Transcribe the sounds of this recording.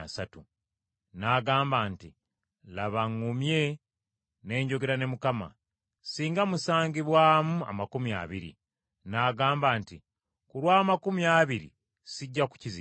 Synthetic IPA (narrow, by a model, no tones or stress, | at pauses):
asatu | naːɡaːmbaːnti | laβaŋːumje̞ | ne̞ːɲɟo̞ɡe̞ɾane̞mukama̰ | siːŋɡamusaːŋɡiβwaːmua̰makumia̰βḭɾḭ | naːɡaːmbaːnti | kuɾwaːmakumiaβiɾḭ | siɟːaku̥cizi